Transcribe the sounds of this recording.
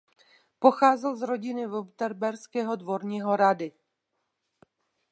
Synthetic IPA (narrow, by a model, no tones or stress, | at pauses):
po̞xaːzɛlzɾo̞ɟɪnɪvubt̪ɛɾbɛɾskɛːɦo̞dvo̞ɾɲiːɦo̞ɾadɪ